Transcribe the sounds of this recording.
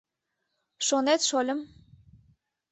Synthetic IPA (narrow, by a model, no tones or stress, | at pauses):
ʃonet̪ʃolʲəm